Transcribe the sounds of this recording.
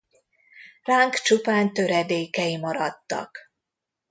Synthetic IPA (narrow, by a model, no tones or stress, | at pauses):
raːŋkt͡ʃupaːnt̪ø̞ɾɛd̪eːkɛjimɒɾɒt̪ːɒ̰k